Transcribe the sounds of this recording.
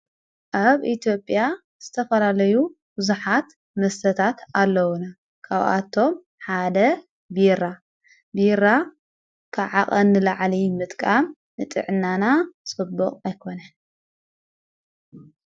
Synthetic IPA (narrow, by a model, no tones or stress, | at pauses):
ʔaβʔit̪ʰijo̞pʼːja | z̥ɨt̪ʰɐfɐlalɐju | bɨzuħat̪ | mɐst̪ʰɐt̪ʰat̪alːɐwuna | kʰaβʔa̰t̪ʰːo̞m | ħad̪ɐ | biɾa | biɾa | kʰaʕaχʼɐnːɨlaʕlimɨt̪ʼkʼam | nɨt̪ʼɨ̰ʕɨnːanasʼɨbːɔχʼajkʰo̞nan